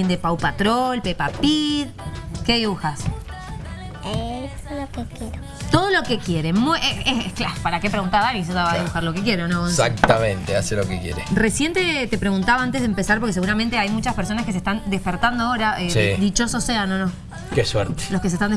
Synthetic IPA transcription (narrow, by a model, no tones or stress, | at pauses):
end̪epawpat̪ɾolpepapið | keðiβuxas | et̪olokekjeɾo | t̪oð̞o̞lo̞kekje̞ɾemuʔeeeklaopaɾakepɾeɣunt̪aɾðanis̬ot̪aβaðiβuxaɾlo̞kek̬je̞ɾonokonsak̚t̪amẽnt̪easelokekjḛɾeresje̞nt̪et̪e̞pɾe̞ɣunt̪aβaant̪eɦðempesaɾp̬oɾkes̬eɣuɾament̪eajmut͡ʃaspeɾs̬o̞naskes̬eht̪and̪espeɾt̪and̪oaoɾaʔesid̪it͡ʃo̞soseanonõ | kesweɾt̪e̥loskes̬est̪and̪